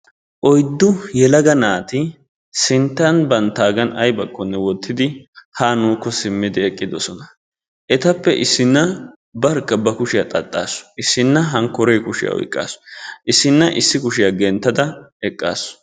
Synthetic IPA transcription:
ʔɔjd̪ːʊjɛlɐɡɐnaːt̪ɪ | sɪnt̪ːɐnbɐnt̪ːaːɡɐnɐ̰jbɐkʰːɔnːɛwɔt̪ːɪd̪ɪhaːnuːkːɔsɪmːɪd̪ɪɛkʼːɪd̪ɔsɔnɐ | ʔɛt̪ɐpːɛʔɪsːɪnːɐ | bɐɾkːɐbɐkʊʃɪjɐt̪ʼɐt̪ʼːa̰ːsʊ̥ɪsːɪnːɐɦɐŋkːɔɾeːkʊʃɪjɐ̰ɔ̰jkʼːa̰ːsʔɪsːɪnːɐʔɪsːɪkʊʃɪjaɡɛnt̪ːɐd̪ɐɛkʼːa̰ːsʊ̥

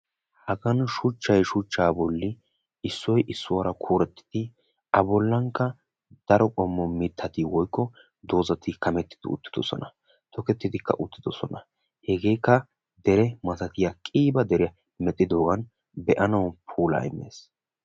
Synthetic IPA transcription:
hɐɡɐnʃʊt͡ʃːɐjʃʊt͡ʃːaːbɔlːɪ | ɪsːɔjʔɪsːʊwɐɾɐkʰuːɾɛt̪ːɪ̥d̪̥ɪ | ʔɐbɔlːɐŋkːɐ | d̪̥ɐɾɔkʼɔmːɔmɪt̪ʰːɐt̪ɪwɔjkːɔ | d̪o̞ːzɐt̪ɪkɐmɛt̪ːɪ̥d̪̥ɪ̰ʊ̰t̪ːɪ̥d̪ɔsɔ̰nɐ | t̪ʰɔkɛt̪ːɪd̪ɪkːɐ̰ʔʊt̪ːɪd̪ɔsɔ̰nɐ | hɛɡe̞ːkːɐ | d̪ɛɾɛmɐt̪ɐt̪ɪjakʼiːbɐd̪ɛɾɪɐ | mɛt̪ʼːɪd̪o̞ːɡɐn | bɛʔɐnɐwpʰuːlɐ̰ɪ̰mːḛːs

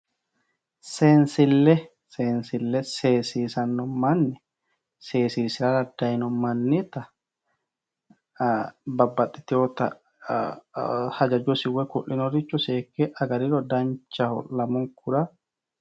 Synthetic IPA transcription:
seːnsɪlːɛ | seːnsɪlːɛseːsiːsɐnːɔmɐnːɛ | se̞ːsiːsɪɾaɾɐd̪ːɐjɪnɔmɐnːɪt̪ɐ | bɐbːɐt̪ʼːɪ̥t̪ɪot̪ɐ̰ | hɐd͡ʒɐd͡ʒɔsɪwːɛkʊʔːɪnɔɾɪt͡ʃːɔseːkːeʔɐɡɐɾɪɾɔd̪ɐnt͡ʃːɐhɔ̰lɐmʊŋkʊɾa

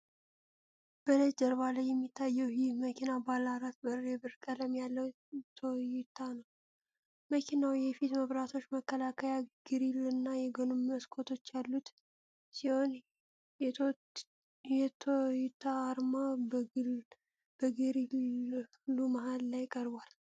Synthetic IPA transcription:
b̥ələd͡ʒʼəɾβaləjɛmːit̪ʰːajɛwjiməkʰinabalaɾat̪bəɾːebɨɾkʼələmjalːəw | t̪ʰojɪt̪ʰanəw | məkʰinawjɛfit̪məβɾat̪ʰo̞t͡ʃːməkːəlakʰəjaɡ̥ɨɾilɨnːajɛɡonumːəskʰo̞t̪ʰo̞t͡ʃːjalːut̪ | siho̞n | ɛ | jɛt̪ʰojɪt̪ʰːaːɾmab | b̥əɡɨɾil | lumaɦalːajɪkʼəɾbwal

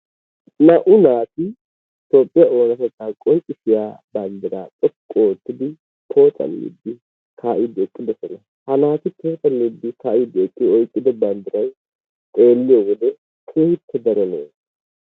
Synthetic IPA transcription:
nɐʔʊnaːt̪ɪ | t̪o̞ːpʼːɪjaoːnɐt̪ɛt̪ʼːaːkʼɔnt͡ʃʼɪfɪjaːbɐnd̪ɪɾaːtʼɛkʼːoːt̪ːɪd̪ɪ | tʰo̞ːt͡sʼɐ̰lːḭd̪ːɪ | kʰaːʔɪd̪ɪɛkʼːɪd̪ɛsɔnɐ | hɐlaːt̪ɪt̪ʰo̞ːt͡sʼɐlːid̪ːɪkaːʔɪd̪ɪɛkʼːɪɔjkʼːɪd̪ɛbɐnd̪ɪɾɐj | t̪ʼe̞ːlːɪjɔwɔd̪ɛ | kʰeːhɪt̪ʰːɛd̪ɐɾɛnḛːn

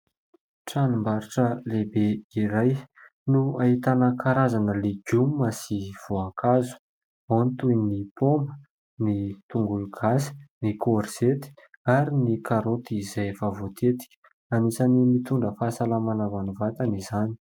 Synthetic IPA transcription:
ʈ͡ʂanumbaɾiʈ͡ʂəlebeiɾaj | nuaɦit̪anəkʰaɾazanəleɡumːasiv̥oakʰazu̥ | anit̪ujnipʰombə | nit̪uŋɡulɡ̥asi̥nikoɾz̥et̪i̥aɾinikaɾot̪izajfavot̪ʰet̪i̥ | amisanimit̪uɳɖ͡ʐəfaːsalamanavanuvat̪anizani̥

